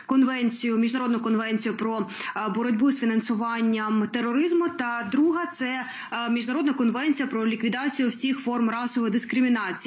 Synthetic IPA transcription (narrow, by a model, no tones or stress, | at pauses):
kɔnʋɛnʲt͡sʲijʊmʲiʒnɐɾɔd̪nʊkɔnʋɛnʲt͡sʲijʊpɾɔbɔɾɔdʲbusfʲinɐnsʊʋɑnʲːɐmt̪erːɔɾɪzmʊt̪ɐd̪ɾuɦɐt̪sɛ | mʲiʒnɐɾɔd̪nɐkɔnʋɛnʲt͡sʲijɐpɾɔlʲikʋʲid̪ɑt͡sʲijʊwsʲixfɔrmrɑsɔʋɔjd̪ɪskɾɪmʲɪnɑt͡sʲi